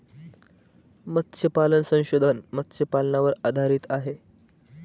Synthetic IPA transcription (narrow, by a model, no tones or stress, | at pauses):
mət̪ːɕʰjəpalənsə̃w̃ɕod̪ʱənmət̪ːɕəpalnaʋəɾad̪ʱaɾiːt̪aɦe